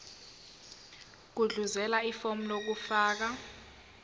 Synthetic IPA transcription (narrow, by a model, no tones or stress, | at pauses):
k̬uɮuzɛlaifom̩lok̬ufaːk̬a